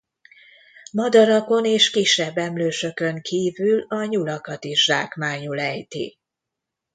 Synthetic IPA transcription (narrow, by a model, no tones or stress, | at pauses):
mɒd̪ɒɾɒko̞neːʃkiʃːɛbːɛmløːʃø̞kø̞ŋkʰiːvylɒɲulɒkɒt̪iʒdaːkmaːɲulɛjt̪ḭ